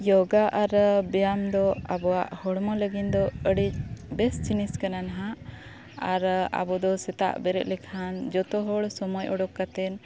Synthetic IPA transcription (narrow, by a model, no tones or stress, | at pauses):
jɔɡaʔaɾbɛjamd̪ɔabɔwa̰ʔhɔɽmɔləɡind̪ɔəɽic̚bɛst͡ʃiniskananaɦa | aɾa̰bɔd̪ɔsɛt̪a̰ʔbɛɾɛ̰ʔ̪̚lɛkʰand͡ʒɔt̪ɔɦɔɽsɔmɔjɔɽɔkːat̪ɛn